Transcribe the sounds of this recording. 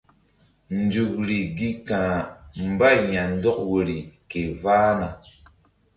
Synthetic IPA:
n̩˨d͡ʒu˨kɾi˨ɡi˦kã˨m̩˨ba˦˨ja˨n̩˦dɔ˦k̚wo˨ɾi˨ke˨vaː˦na˨

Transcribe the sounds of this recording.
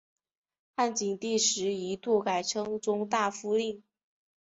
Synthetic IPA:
xa˥˩nt͡ɕi˨˩ŋt̪i˥˩ʂɻ̩˧˥i˧˥t̪u˥˩ka˨˩ɪʈ͡ʂʰɤ˥ŋt͡sʊ˥ŋt̪a˥˩fu˥li˥˩ŋ

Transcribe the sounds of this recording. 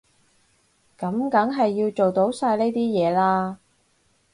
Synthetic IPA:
kɐ˨˥mkɐ˨˥ŋɦɐ˨jːiː˧wt͡ʃo˨wt̪o˨˥wsaː˧jle˥jt̪iː˥jɛː˨˧laː˧

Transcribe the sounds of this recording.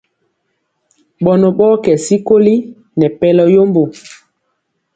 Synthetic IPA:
ɓɔ˨nɔ˨ɓɔ˦kɛ˨si˦ko˦li˦ | nɛ˨pɛ˦lɔ˦jo˦mbo˨

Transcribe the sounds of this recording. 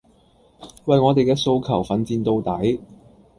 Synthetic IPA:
wɐ˨jŋɔː˨˧t̪e˨jkɛː˧so˧wkʰɐ˨˩wfɐ˨nt͡siː˧nt̪o˧wt̪ɐ˨˥j

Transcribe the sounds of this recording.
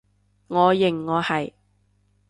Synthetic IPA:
ŋɔː˨˧jɪ˨˩ŋːɔː˨˧hɐ˨j

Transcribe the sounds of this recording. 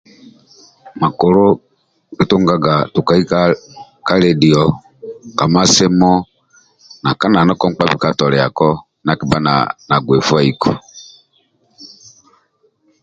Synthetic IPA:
ma˨ko˨ɾo˦ | ɡi˦to˦ŋɡa˦ɡa˨tu˨ka˨i˦ka˦ | ka˦ɾɛ˨di˨ɔ˨ | ka˨ma˦se˦mɔ˦ | na˨ka˦na˨nɔ˦kɔ˦ŋ͡m̩˦k͡pa˦βi˦ka˦tɔ˨ɾɛ˨a˨kɔ˦ | na˨ki˦ba˦na̰˨na˨ɡwe˨fa˦i˨kʰu˨

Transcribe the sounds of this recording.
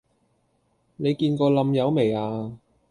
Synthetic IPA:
ne˨˧jkiː˧nkɔː˧lɐ˧mjɐ˨˧wme˨˩jaː˧

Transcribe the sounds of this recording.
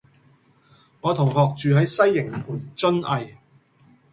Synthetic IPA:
ŋɔː˨˧t̪ʰʊ˨˩ŋhɔː˨k̚t͡ʃyː˨ɦɐ˨˥jsɐ˥jːɪ˨˩ŋpʰuː˨˩nt͡sɵ˥nɐ˨j

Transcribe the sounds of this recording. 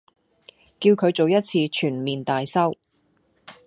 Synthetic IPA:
kiː˧wkʰɵ˨˧ɥt͡so˨wjɐ˥t̚t͡sʰiː˧t͡ʃʰyː˨˩nmiː˨˩nt̪aː˨jsɐ˥w

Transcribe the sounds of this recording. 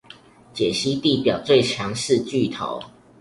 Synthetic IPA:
t͡ɕjɛ˨˩ɕi˦˥t̪i˥˨pjɑ˨˩ʊt͡swe˥˨ɪt͡ɕʰjɑ˧˦ŋʂɻ̩˥˧t͡ɕy˥˨t̪ʰo̰˧˦ʊ

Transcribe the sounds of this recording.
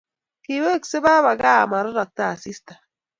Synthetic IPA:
ki˨˦we˦˨kse˦ba˦βa˨ɡa˦˨ma˨ɾɔ˦ɾa˨k̚ta˦˨si˦stḁ˨

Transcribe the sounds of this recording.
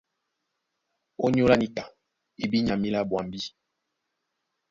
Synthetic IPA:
o˦ɲ˦o˦la˦ni˦ka˨ | i˨bi˦ɲa˨mi˦la˦bwa˨m˨bi˦

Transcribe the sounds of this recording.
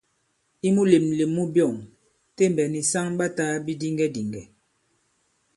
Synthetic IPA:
i˦mu˦le˨mle˨mːu˦bjɔ˦˨ŋ | te˦m˨bɛ˨ni˨sa˦ŋba˦taː˦bi˦di˦ŋɡɛ˦di˨ŋɡɛ˨

